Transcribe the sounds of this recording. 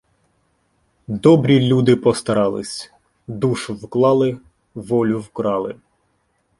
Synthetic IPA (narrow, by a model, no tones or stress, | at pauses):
d̪ɔbɾʲilʲud̪ɪpɔst̪ɐɾɑlˠɪ̰sʲ | d̪uʃʊwklˠɑlˠɪ | ʋɔlʲʊwkɾɑlˠɪ